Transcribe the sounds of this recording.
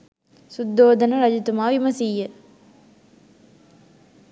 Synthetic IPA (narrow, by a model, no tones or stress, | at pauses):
sud̪ːoːd̪ɐnɐɾɐd͡ʒit̪umaːʋimɐsijːə